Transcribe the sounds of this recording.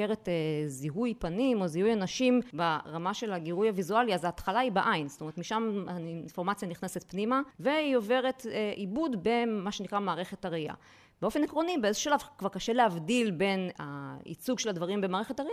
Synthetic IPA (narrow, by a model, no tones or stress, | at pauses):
eʁeteziɦujpanimo̞zihujanaʃimbaʁamaʃe̞laɡiʁujavizualiazaːt̪χalaibaʔajnstomeet̪miʃamainfo̞ʁmat͡sjaniχnese̞t̪pnimave̞io̞ve̞ʁetʔibudbe̞maʃe̞nikʁamaːʁe̞χe̞taʁia̰ | beo̞fe̞nekʁonibeezo̥uʃalavkvaʁkaʃe̞lehavdilbe̞naḭt͡suɡʃe̞ladvaʁimbemaːʁe̞χe̞taʁi